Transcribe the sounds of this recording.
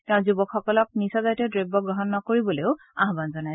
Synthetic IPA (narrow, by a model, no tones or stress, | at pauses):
tɛʊ̃zubɔkʰxɔkɔlɔk̚nisɔzajtɛdɹebːɔɡɹɔɦɔnːɔkoɹibɔleʊ | aɦbanzɔnaj